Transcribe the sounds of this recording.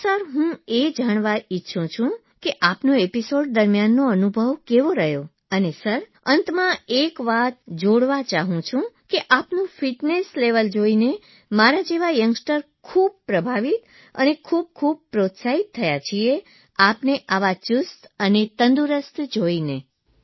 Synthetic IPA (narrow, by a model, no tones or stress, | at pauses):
səɾɦũed͡ʒaɽ̃ʋaitːʃʰũt͡ʃʰũ | keʔapnoepisoɖ̚d̪əɾmjanːoənubʱəʋkeʋoɾəɦjo | ənesəɾ | ənt̪mãekʋat̪̚d͡ʒoɽʋat͡ʃaɦũt͡ʃʰũkeʔapnũfiʈnesleʋəld͡ʒoine | maɾad͡ʒeʋajəŋɡsʈəɾ | kʰub̚pɾəbʱaʋit̪ | ə̰nekʰub̚kʰub̚pɾot̪saɦit̪ʰːəjat͡ʃʰie | apneʔaʋat͡ʃust̪ənet̪ənd̪uɾəst̪d͡ʒoine